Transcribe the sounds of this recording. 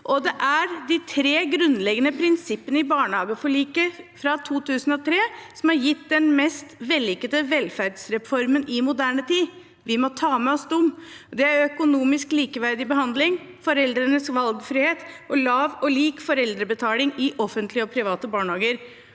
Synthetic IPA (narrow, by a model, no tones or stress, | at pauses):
ʔɔd̪ɛʔæɾd̪ɪt̪ʰɾeːɡɾʉnlɛɡənəpʰɾɪnsɪpːənəɪbɑːɳəɑːbəfɔɭiːkəfɾɑt̪ʰuːt̪ʰʉːsən̩ɔt̪ʰɾeːsɔmhɑɾjɪt̪ːd̪ɛnmɛst̪ʋɛlːɪkət̪əʋɛlfæɾɖsɾɛfɔɾmənʔɪmʊd̪æːɳət̪ʰiː | ʋɪmɔt̪ʰɑːmɛɔsd̪ʊmd̪ɛæɾœkʊnuːmɪskliːkəʋæɾd̪ɪbəhɑnd̪lɪŋ | fɔɾɛld̪ɾənəsʋɑlɡfɾiːheːt̪ʔɔlɑːʋɔliːkfɔɾɛld̪ɾəbət̪ʰɑːlɪŋɪʔɔfənt̪ʰlɪəɔpʰɾɪʋɑːt̪əbɑːɳhɑːɡəɾ